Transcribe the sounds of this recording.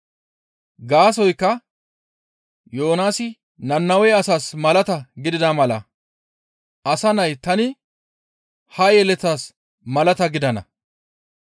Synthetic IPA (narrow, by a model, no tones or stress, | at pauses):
ɡaːs̬ɔjkːɐ | joːnaːsɪ | nɐnːɐwɛjɐsaːsmɐlɐt̪ɐɡɪd̪ɪd̪amɐlɐ̰ | ʔɐsɐnɐjt̪ɐnɪ | hɐjɛlɛt̪ːaːs | mɐlɐt̪ɐɡɪd̪ɐnɐ̰